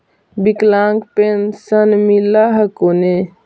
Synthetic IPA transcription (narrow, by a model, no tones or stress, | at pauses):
biklãːŋkpensənmilaɦɐkone